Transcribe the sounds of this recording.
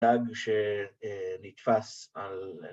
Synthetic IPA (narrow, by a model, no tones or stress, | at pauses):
aɡʃe | nit̪fasal